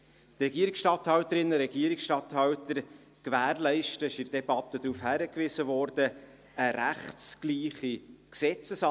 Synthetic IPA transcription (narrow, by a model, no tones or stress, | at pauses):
t̪rɛɡiəɾiksʃtɑthɑwt̪əɾɪnːəɾɛɡ̥iːəɾiksʃtɑt̪hɑwt̪əɾ | kvæːɾlɛɪʃtəɪʃɪɾd̥ɛb̥ɑt̪əd̥̪ɾuːfhæɾəkvɪzəvɔːɾd̥ə | əɾæχtskliːχiksɛt͡səsɑ